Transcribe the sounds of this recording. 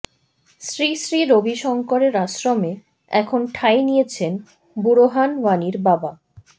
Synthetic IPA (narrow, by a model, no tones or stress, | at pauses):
sɾisɾiɾobiʃɔŋkoɾeɾaʃɾome | ɛ̰kʰonʈʰajnijet͡ɕʰen | buɾoɦanwaniɾbaba